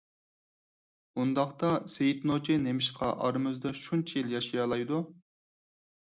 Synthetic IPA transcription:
und̪ɑχt̪ɑsejit̪not͡ʃʰinemɪʃqʰɑʔɑɾmyzd̪ɑʃunt͡ʃʰɛjilˠjɑʃijɑlˠɑjd̪u

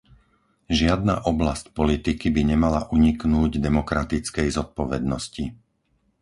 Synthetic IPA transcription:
ʒɪad̪̚na̰ːʔɔblascpɔlit̪ikibiɲɛmalaʔuɲiknuːɟd̪ɛmɔkɾat̪it͡skɛjzɔt̪̚pɔʋɛd̪nɔsci

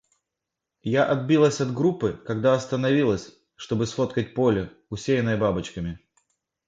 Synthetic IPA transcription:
jaʔɐd̪̚bʲilˠəsʲɐd̪ɡɾupːɨkɐɡd̪aɐst̪ənɐvʲilˠəsʲ | ʂt̪o̞bɨsfo̞t̪kət̚ʲpo̞lʲɪ | ʊsʲejɪnːəjəbabɨt͡ɕkəmʲɪ

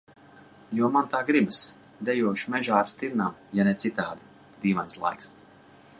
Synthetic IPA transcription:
juɔmant̪aːɡɾibɨs | d̪ɛjuɔʃmɛʒaːɾst̪iɾnamjanɛt̪sit̪aːd̪a | d̪ʲiːvanslˠa̰jks

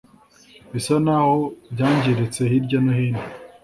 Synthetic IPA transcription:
βisanahobɟaːɲɟiɾet͡se̞hiɾɟonohiːni

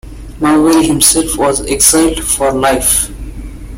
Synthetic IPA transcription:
maʋeɾihɪ̃msɛlfʋɔːzeksaɪlɖfɔɾlaɪf

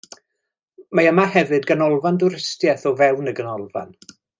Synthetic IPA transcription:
maəmahɛvɨdɡənɔlˠvandʊɾɪstjɛθɔvɛwnəɡənɔlˠva̰n

